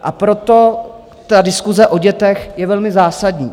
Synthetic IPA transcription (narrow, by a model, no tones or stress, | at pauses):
ʔapɾo̞t̪o̞ | t̪adɪskuzɛʔo̞ɟɛt̪ɛxjɛvɛlmɪzaːsadɲiː